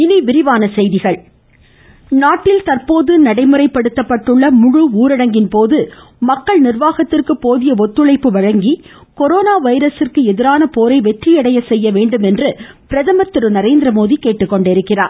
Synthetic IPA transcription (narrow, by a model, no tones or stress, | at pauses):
ɪniʋɪɾɪʋaːnɐsɛjðɪɣɐɭ | naːʈːɪlt̪ɐrpoːðɯnɐɽɐɪmɯrɐɪpːɐɽɯt̪ːɐpːɐʈːɯɭːɐmʊɻʊuːɾɐɽɐŋɡɪnpoːðɯ | mɐkːɐɭnɪrʋaːɣɐt̪ːɪrkɯpːoːðɪjɐɔt̪ːɯɭɐɪpːɯʋɐɻɐŋɡi | kɔɾoːnaːʋɐɪɾɐsɪrkɯɛðɪɾaːnɐpoːɾɐɪʋɛʈrijɐɽɐjɐsɛjːɐʋeːɳɖɯmɛndrɯpɪɾɐðɐmɐt̪ːɯɾɯnɐɾeːnd̪ɾɐmoːðikeːʈːɯkːɔɳɖɪɾɯkːɪra̰ːɾ